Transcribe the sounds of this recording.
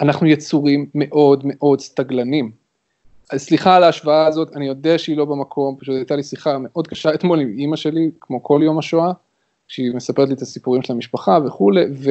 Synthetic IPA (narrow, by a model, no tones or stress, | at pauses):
anaχnujet͡suʁimːe̞ʔo̞dme̞ʔo̞dst̪aɡlanim | asliχalaːʃvaaːzo̞tanijo̞dɛaʃeilo̞bemakʰo̞mpaʃutajt̪alisliχame̞ʔo̞d̪̚kaʃaet̪mo̞limimaʃe̞likmo̞kʰo̞ljo̞maʃoa | ʃeime̞sape̞t̪liet̪asipuʁimʃeamiʃpaχave̞χule̞ve